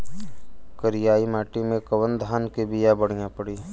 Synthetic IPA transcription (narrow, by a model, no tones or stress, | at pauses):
kəɾɪjaːimaːʈimẽkɐwənd̪ʱaːnkebijabəɽ̤ijãpəɽiː